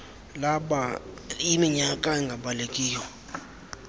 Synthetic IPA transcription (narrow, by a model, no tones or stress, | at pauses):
laɓa | imiɲakʼaɛŋɡʱaɓalekʼiːjɔ